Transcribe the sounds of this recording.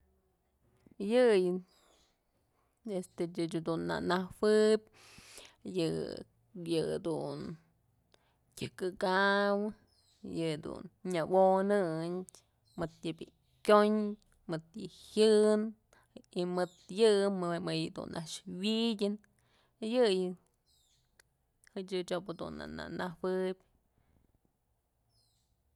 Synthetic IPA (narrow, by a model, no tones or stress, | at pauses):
jɨjɨ | est̪eɨt͡ʃd̪unːa̰nawɨb̚ʲ | jɨ | jɨd̪un | kʲɨkɨɡawɨ | jɨd̪ṵnɲawonɨɲʲ | mɨt̪jɨbʲḭ | kʲoɲ | mɨt̪jɨhjɨn | imɨt̪jɨmmɨjɨd̪ṵnʔa̰ʔʂwidʲɨn | jɨjɨ | hɨt͡ʃɨt͡ʃopɨd̪ṵnːa̰na̰nahwɨbʲ